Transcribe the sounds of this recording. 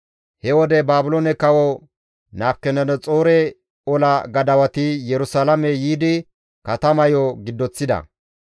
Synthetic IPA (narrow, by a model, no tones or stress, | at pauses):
hɛwɔd̪ɛbaːbʊlonɛkɐwɔ | naːfkːɛnɛnɔt͡sʼoːɾɛ | ɔlɐɡɐd̪ɐwɐt̪ɪjɛɾʊsalɐmɛjiːd̪ɪ | kɐt̪ɐmɐjɔɡɪd̪ːɔt͡sːɪd̪ɐ̰